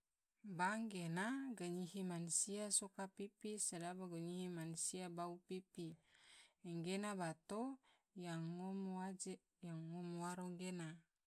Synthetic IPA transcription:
baŋɡenaɡaɲiɦimansiasokapipisadabaɡoɲihimansiabaupipi | ɛŋɡenabat̪o | jaŋomad͡ʒ | jaŋːɔmuaɾɔŋɡena

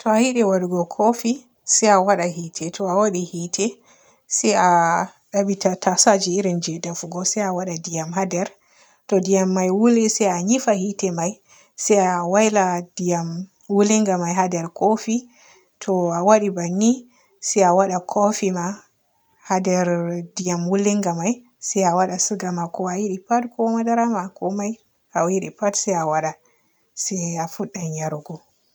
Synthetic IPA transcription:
tɔahiɗɛwaɾuɡɔkʰofi | sɛjawaɗahitʰɛtʰɔawaɗihitʰɛ | sɛja | ɗabitatasad͡ʒiːɾind͡ʒɛdafuɡɔsɛjawaɗadijamɦadɛɾ | tɔdijamːajwulisɛjaɲifahitɛmaj | sɛjawajladijam | wuliŋɡamajɦadɛɾkofi | tʰɔawaɗibanːi | sɛjawaɗakʰofima | hadɛɾdijamwulːiŋɡamaj | sɛjawaɗasuɡamakɔajiɗipatkʰɔmadaɾamakɔmaj | awiɗipatsɛjawaɗa | sɛjafuɗːanaɾɡɔ

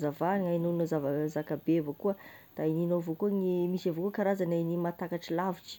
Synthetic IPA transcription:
zavanŋainonozavazakabevokuə | d̪̥aininovokuŋimisavokukaɾazanajnimat̪akaʈ͡ʂilaviʈ͡ʂi̥

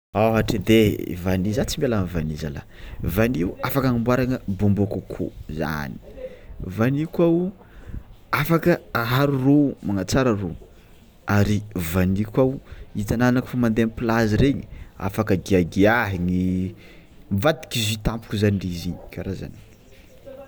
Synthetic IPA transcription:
awaʈ͡ʂid̪ḛvanizat͡simalanvaniza̰la̰ | vaniuafakaŋimbwaɾaŋəbombokəkʰo̰za̰ni̥vanikaw | afakəaɦaɾuromaŋat͡saɾəro | aɾivanikʷawit̪ananaki̥famand̪eanpilaziɾeɲia̰fakəɡiaɡiaɦiŋi | mvad̪i̥kizit̪ampu̥kuzanirizikʰaɾaza̰ni̥

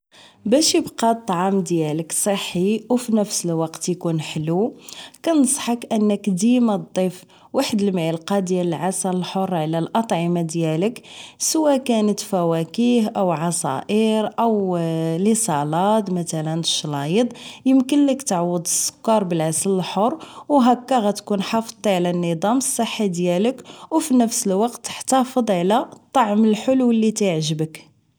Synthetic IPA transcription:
bæʃjəbqɑt̪ˤːɑʕɑmd̪jæləksˤəħːiwfinəfsəlwɑqt̪jkunħəlukænəsˤħɑkʔənːəkd̪imæd̪ˤːif | waħəd̪əlmʕəlqɑd̪jæləlʕasæləlħorˤːʕlælʔɑt̪ˤʕəmad̪jæləksəwækænət̪fæwækiɦʔəwʕɑsˤɑ̰ʔəɾʔəwlisˤɑlɑt̪ˤmæt̪ælənʃːlɑjəd̪ˤjəmkənləkt̪ʕwəd̪ˤəsˤːʊ̥kːɑɾˤbəlʕasələlħorˤwɦækːæɣæt̪kunħɑfəd̪ˤʕlænːəd̪ˤɑməsˤːəħːid̪jæləkwfinəfsəlwɑqt̪ːə̥ħt̪ɑfəd̪ˤʕlæt̪ˤːɑʕməlħolwəlːit̪əʕʒəbək

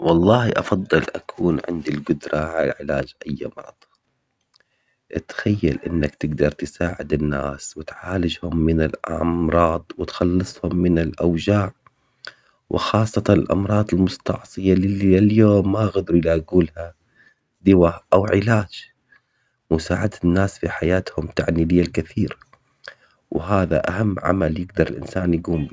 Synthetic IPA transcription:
wɑlˤːɑːhiʔɑfɑðˤːɨlʔa̰kʰuːnʕɪ̰nd̪ilɡʊd̪ɾˤɑʕala̰aʕɪlaːd͡ʒʔajːa̰mɑ̰ɾˤɑd̪ˤ | ʔt̪xajːa̰lʔɪnːakt̪ɪɡd̪ɑɾˤt̪ɪsaːʕɪd̪ɪnːa̰ːswɪt̪ʕaːlɪd͡ʒhʊmːɪnɪlʔɑmɾˤɑːd̪ˤwɪt̪xɑlːɨsˤhʊmːɪnɪlʔawd͡ʒaːʕ | wʔɪ̰xɑːsˤːɑt̪ɑnɪlʔɑ̰mɾˤɑːd̪ˤɪlmʊst̪ɑ̰ʕsˤɨjalɪlːialjoːmːaɣad̪ɾujlaːɡuːlha | d̪ɪwaʔawʕɪlaːd͡ʒ | mʊsaːʕad̪ɪnːaːsfiħajaːt̪hʊmt̪aʕniːlɪjːalkaθiːɾa | wɪɦaːða̰ʔa̰hamːʕa̰maljɪɡd̪ɑɾˤɪlʔɪ̰nsaːnjaɡuːmbi

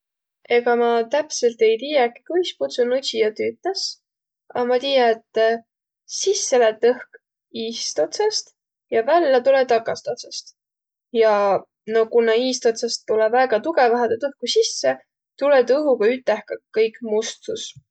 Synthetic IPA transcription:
eɡ̥ɑmɑt̪æpse̞lt̪e̞jt̪iːjɑki̥kujsput̪sunusijɑt̪yːt̪nes | ɑmɑt̪iːjɑet̪ːˑ | sisːelet̪ɤhk | iːst̪ot̪sɑst̪ | jɑvælːɑt̪ulet̪ɑkːˑɑst̪ot̪sɑst̪ | jɑ | no̞kunːɑiːst̪ot̪sɑst̪ːulɛvæːɡ̥ɑt̪uɡevɑɦed̪et̪ɤhkusisːe | t̪ulet̪ɤɦuɡɑyt̪ːˑehkɑkɤjkˑmust̪us

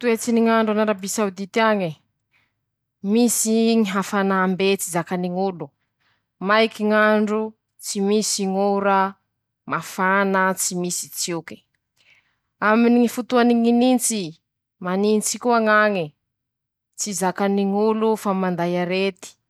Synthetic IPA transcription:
t̪uet͡siniŋaɳɖ͡ʐanaɾabisawd̪it̪iaŋi | misiŋiɦafanaːmbet͡sizakaniŋulu | majkiŋaɳɖ͡ʐu | t͡simisiŋuɾə | mafanət͡simisi̥t͡siki̥ | aminiŋifut̪uaniŋinint͡si | manint͡sikuaŋaŋi | t͡sizakaniŋulufamand̪ajaɾet̪i̥

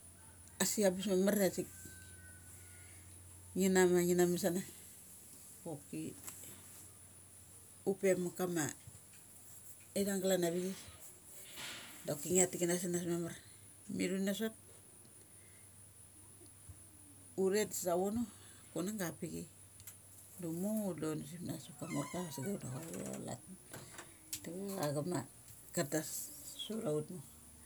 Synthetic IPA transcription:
asiabusmemarasik̚ | ŋinamaŋinamis̬ana | kokːi | upemukama | edaŋɡalanaβiɡi | dokːiŋiatikinas̬inasmemar | miɾunas̬ot̚ | uɾe̞tsawono | konaŋɡapiɡi | dumolons̬ipnasokamoɾkasiɡaudakaβṵa̰la̰t | tieaɡama | katasːuɾautmo

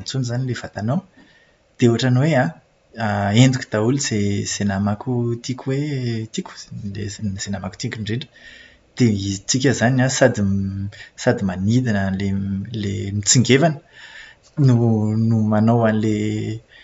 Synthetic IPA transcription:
t͡sunizanilevat̪ano | d̪̥euaʈ͡ʂanweã | aend̪uku̥d̪̥auluz̥ez̥enamakut̪ikʲuwet̪ikʲu̥lezz̥enamaku̥t̪ikʲuɳɖ͡ʐeɳɖ͡ʐə̥ | d̪̥eizit͡sikʲəzanasad̪i | sad̪imanid̪inəlelemit͡siŋɡevanə̥ | nunumanowanle

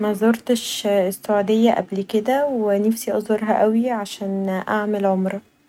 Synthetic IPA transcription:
mæzoɾt̪eʃesːoʕud̪ejːæʔæ̰blked̪æwenæfsiʔɑzˤhoɾˤɦæʔæwiʕaʃæːnʔaʕmelʕomɾˤɑ

